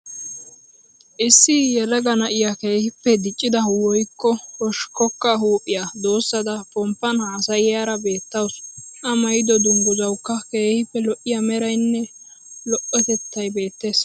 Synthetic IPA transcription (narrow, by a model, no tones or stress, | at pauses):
ʔɪsːɪjɛlɐɡɐnɐʔɪjake̞ːhɪpːɛd̪ɪt͡ʃʼːɪd̪ɐwɔjkːɔhɔʃkɔkːɐɦuːpʼːɪjad̪o̞ːsːɐd̪ɐpɔmpːɐnhaːsɐjɪjaːɾɐbe̞ːt̪ːɐwsʔɐmɐjd̪ɔd̪ʊŋɡʊzɐwkːɐke̞ːhɪpːɛlɔʔɪjɐmɛɾɐjnːɛ | lɔʔːɔt̪ɛt̪ːɐjbe̞ːt̪ːe̞ːs